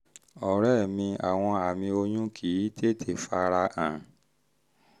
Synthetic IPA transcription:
ɔ˨ɾɛ˦˨mĩ˧a̰˨w̃ɔ̃˧a˨mĩ˧o˧jũ˦kʰi˨˦te˦˨tʰe˦˨fa˧ɾa˧ʔã˨

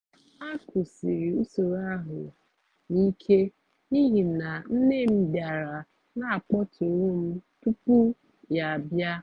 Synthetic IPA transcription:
a˦kʰu˨si˨ɾi˨u˦so˨ɾa˦ɦʊ˨ | ni˦kʰe˦ | i˦ɦi˨na˨n̩˦ne˦m̩˦bja˨ɾa˨ | na˦a˨k͡pɔ˦tʰʊ˨ɾu˦m̩˦tu˦pu˦ | ja˨a˨bja˦

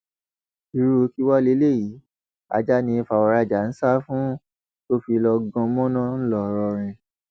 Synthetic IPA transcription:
i˨ɾu˦˧ki˦wɔ˦le˦le˦˨ji˨˦ | a̰˧d͡ʒa˦nĩ˧fa˨wa˨ɾa˧˨d͡ʒa˨˦n̩˦sa˦fũ˦ | to˦fi˧lɔ˧ɡɔ̃˧˦mɔ̃˦nã˦n̩˦lɔ˦˨˧ɾɔ˧ɾ̃ɛ̃˧

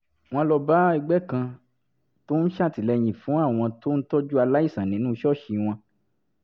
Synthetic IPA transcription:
w̃ɔ̃˧˦lɔ˧ba˦i˧ɡ͡bɛ˦˨kã˧ | to˦n̩˦ʃa˦˨ti˨lɛ˧j̃ĩ˨fũ˨˦a˦˨w̃ɔ̃˧to˦n̩˦to˦d͡ʒu˦a˧la˦i˦˨sã˨nĩ˨˦nũː˦˧ʃɔ˦˨ʃi˧w̃ɔ̃˧

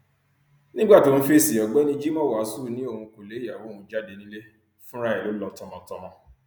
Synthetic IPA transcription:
nĩ˦ɡ͡ba˦˨to˨ñ̩˧fe˦˨si˨jɔ˨ɡ͡bɛ˦nĩ˧d͡ʒi˦mɔ̃˦wsu˦˨nĩ˦o˦˨ũ˧ko˨le˨˦a˨wo˨˦˨hũ˧d͡ʒa˦de˨˧nĩ˦le˦ | fũ˦ɾa˧˦ɛ˨lo˨˦lɔ˧˦tɔ̃˧mɔ̃˧tɔ˧mɔ̃˧

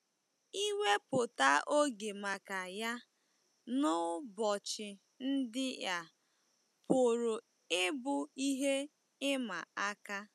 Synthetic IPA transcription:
i˦we˦pʊ˨ta˦ʔo˦ɡe˨ma˨ka˨ja˦ | nʊ˦bɔ˨t͡ʃɪ˨ | n̩˦dɪ˦ja˨ | pʊ˨ɾʊ˨ | ɪ˦bʊ˨i˦ɦe˦ | ɪ˦ma˨a˦ka˦

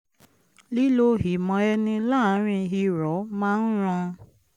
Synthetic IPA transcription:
li˦lo˧ɦi˨mɔ̃˨ɛ˧nĩ˧la˦˨˦ɾ̃ĩ˧ɦi˧ɾɔ˨˦mãː˦n̩˦ɾ̃ɔ̃˧

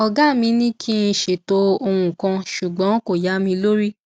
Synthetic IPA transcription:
ɔ˧ɡa˦˨mĩ˧nĩ˦kʰi˦n̩˧˦ʃe˨to˧o˧w̃ũ˨kã˧ʃu˨ɡ͡bɔ̃˨˦ko˨ja˨˦mĩ˧lo˦ɾi˦

